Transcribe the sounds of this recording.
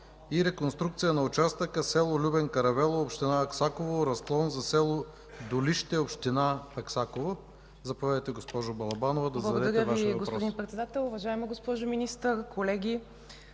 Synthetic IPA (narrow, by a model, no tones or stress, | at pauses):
iɾɛkonst̪ɾukt̪sijənɐʊt͡ʃast̪əkəsɛlˠolʲubɛnkɐɾɐvɛlˠoopʃt̪inaɐksakovoɾɐsklˠɔnzɐsɛlˠo | d̪oliʃt̪ɛopʃt̪inaɐksakovo | zɐpovʲad̪əjt̪ɛɡospɔʒʊbɐlˠɐbanovɐd̪ɐzblˠɐd̪ɐɡd̪ɛd̪ɐɾʲjɛəvaiʃvɐɡosɾɔood̪inpɾɛt̪sɛd̪at̪ɛlˠʊvɐʒaɛmɐɡospɔʒʊminist̪əɾkolɛɡʲi